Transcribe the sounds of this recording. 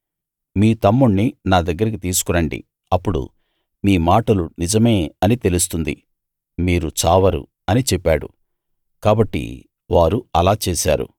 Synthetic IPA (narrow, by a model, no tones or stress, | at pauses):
miːt̪ɐmːuɳːinaːd̪ɐɡːɐɾɐk̬it̪iːsu̥kunɐɳɖḭ | ɐpːuɽṵ | miːmaːʈɐlunid͡ʒɐme̞ːɐnit̪e̞lust̪und̪ḭ | miːɾut͡ʃaːʋɐɾṵ | ɐnit͡ʃɛpːaːɽṵ | kaːbɐʈːḭ | ʋaːɾuɐlaːt͡ʃeːsa̰ːɾṵ